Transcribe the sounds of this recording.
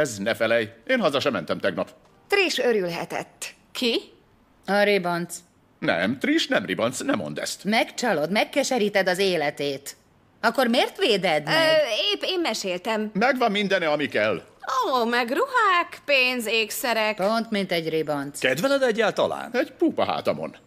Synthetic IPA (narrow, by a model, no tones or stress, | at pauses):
ɛznɛfɛlɛjeːnhɒzɒʃɛmɛnt̪ɛmt̪ɛɡnɒp | t̪riʃøɾylɦɛ̰t̪ɛ̰t̪ː | kʰi | ɒɾibont̪s | nɛ̰mt̪riʃnɛmrḭbont̪snɛmo̞̰nd̪ɛ̰st̪mɛkt͡ʃɒlo̞d̪mɛkːɛʃɛɾiːt̪ɛd̪ɒzeːlɛt̪eːt̪ | ɒkːo̞rmeːrt̪ʋeːd̪ɛd̪eːpeːmːɛʃeːlt̪ɛmmɛɡvɒmːind̪ɛnɛɒmikɛlː | oːmɛɡruɦaːkpeːnzeːksɛɾɛkpo̞nt̪mint̪ɛɟribont̪skɛd̪vɛlɛd̪ɛɟːaːlt̪ɒla̰ːnɛɟ̥puːpɒɦa̰ːt̪ɒmo̰n